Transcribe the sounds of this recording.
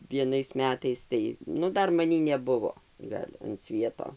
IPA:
ʋʲiɛˈnɐɪs ˈmʲæːtɐɪs ˈtɐɪ ˈnʊ ˈdɐr mɐˈnʲiː nʲɛˈbʊʋoː ˈɡɐlʲ ɐn ˈsʲʋʲiɛtoː

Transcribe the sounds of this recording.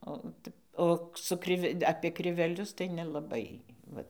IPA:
oː ˈtʲɛp ˈoː sʊ ˈkrʲɪʋʲɛ ɐpʲiɛ krʲɪʋʲɛˈlʲʊs tɐɪ nʲɛlˠɐˈbɐɪ ˈʋɐt

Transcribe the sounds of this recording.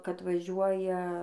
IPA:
kɐt ˈʋɑːʒʲuɔjɛ

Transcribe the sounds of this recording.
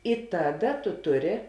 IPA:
ɪ ˈtɑːˌdɐ tʊ ˈtʊˌrʲɪ

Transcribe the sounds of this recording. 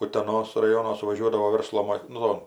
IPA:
ʊtʲɛˈnoːs rɐˈjoːnoː sʊʋɐˈʒʲuɔdɐʋoː ˈʋʲɛrslˠoː moː ˈnʊ

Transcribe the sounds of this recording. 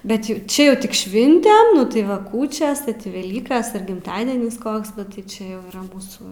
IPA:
ˈbʲɛt jʊ ˈt͡ʃʲɛ ˈjɛʊ ˈtʲɪk ˈʃʲʋʲɪnʲtʲɛm ˈnʊ tɐɪ ˈʋɐ ˈkuːt͡ʃʲɛs ʋʲɛˈlʲiːkɐs ɪr ɡʲɪmˈtɑːdʲiɛnʲɪs ˈkoːks ˈnʊ tɐɪ ˈt͡ʃʲɛ jɛʊ iːˈrɐ ˈmuːsuː

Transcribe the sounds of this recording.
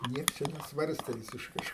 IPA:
ˈnʲiɛks ˈt͡ʃʲɛ nʲɛˈsʋɐrʲsʲtʲeː ʋʲɪsʲɪʃˈkɐɪ

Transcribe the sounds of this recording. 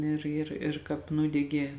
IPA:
ˈɪr ɪr ɪr ˈkɑːp ˈnuːdʲɛɡʲeː

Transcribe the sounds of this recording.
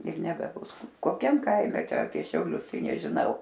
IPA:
ɪr nʲɛbʲɛˈbʊs koːˈkʲɛm ˈkɐɪmʲɛ ɐpʲiɛ ʃʲɛʊˈlʲʊs ˈtɐɪ nʲɛʒʲɪˈnɐʊ

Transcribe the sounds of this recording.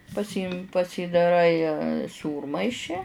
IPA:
pɐˈsʲiːmʲɪ pɐsʲiːdɐˈrɐɪ ˈsuːrmɐɪʃʲɪ

